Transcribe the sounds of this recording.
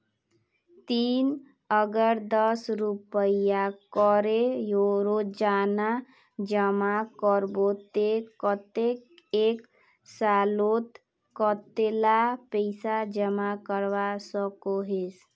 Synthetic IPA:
t̪in | əɡəɾd̪əsɾupəijakɔɾejoɾod͡ʒana | d͡ʒəmakɔɾbot̪ekɔt̪ekek | salot̪ | kɔt̪elapəɪsad͡ʒəmakəɾʋasəkoɦes

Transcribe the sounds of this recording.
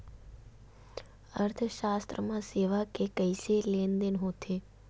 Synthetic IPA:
əɾt̪ʰəʃaːst̪ɾəmãseːʋakekəjseleːnd̪enɦõt̪ʰe

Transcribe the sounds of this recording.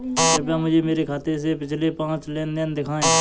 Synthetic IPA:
əɾpjãːmʊd͡ʒʱeːmeːɾeːkʰaːt̪es̬epɪt͡ʃʰleːpãːt͡ʃleːnd̪end̪ɪkʰãːẽː

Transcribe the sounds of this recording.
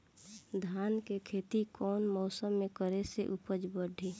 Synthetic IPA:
d̪ʱaːnkekʰeːt̪ikɔːnmɔːsəmːẽkəɾeseʔupəd͡ʒbəɖʱi

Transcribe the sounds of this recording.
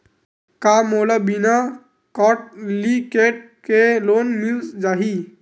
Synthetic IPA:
kamoːlabina | kɔːʈ̚likeːʈ̚ | keloːnmild͡ʒaːɦi

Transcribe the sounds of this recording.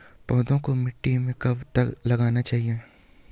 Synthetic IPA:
pɔːd̪õkomɪʈːimẽkɐbt̪ɐklɐɡaːnat͡ʃaːɦie

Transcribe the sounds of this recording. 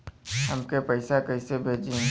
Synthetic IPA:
ɦɐmkepɐɪsakɐɪsebʱeːd͡ʒẽ

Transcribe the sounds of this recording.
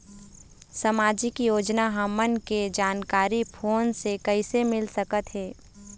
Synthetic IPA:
sɐmaːd͡ʒikijoːd͡ʒnaɦɐmənked͡ʒaːnkaːɾipʰoːnsekəɪsemɪlsəkət̪ɦɛː

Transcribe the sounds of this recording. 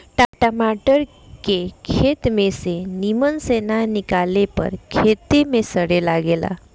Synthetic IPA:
ʈaʈamaʈəɾ | kekʰet̪mesenimənsenanikalepə̰ɾkʰet̪emesəɽelaɡela̰

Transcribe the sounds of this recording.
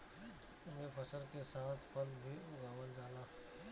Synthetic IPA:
mẽpʰəsəɾkesaːt̪ʰpʰəlbʱiʊɡʱaːʋəld͡ʒaːlaː

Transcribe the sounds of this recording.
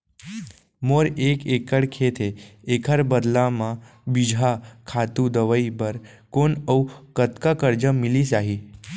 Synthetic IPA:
moɾekekəɽkʰet̪ʰeːkʰəɾbəd̪lamã | bid͡ʒʱakʰat̪ud̪əʋəibəɾ | konəwkət̪kakəɾd͡ʒəmilisaɦi

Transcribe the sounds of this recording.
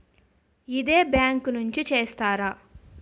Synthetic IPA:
id̪eːbjaːŋknuɲt͡ʃit͡ʃeːst̪aːɾa

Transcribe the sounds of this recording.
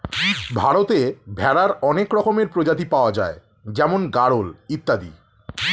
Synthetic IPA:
bʱaɾot̪ebʱɛɾaɾɔnekɾɔkomeɾpɾod͡ʑat̪̬ipaoad͡ʑa̰e | d͡ʑɛmonɡaɾolit̪ːad̪ḭ

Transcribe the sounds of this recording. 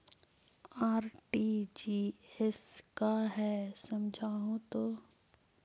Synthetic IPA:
aːɾʈiːd͡ʒiːɛskaɦɛːsɐmd͡ʒʱaːɦũt̪oː

